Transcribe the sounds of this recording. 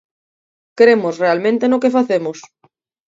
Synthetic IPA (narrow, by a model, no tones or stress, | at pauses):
kɾemosrealmẽnt̪enokefaθemʊs